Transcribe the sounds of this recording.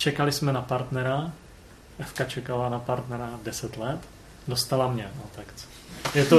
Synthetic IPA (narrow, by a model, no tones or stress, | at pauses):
t͡ʃɛkalɪsmɛnapaɾt̪nɛɾa | ʔɛfkat͡ʃɛkalanapaɾt̪nɛɾadɛsɛt̪lɛt̪ | dost̪alamɲɛnot̪akt͡so̥ | jɛt̪o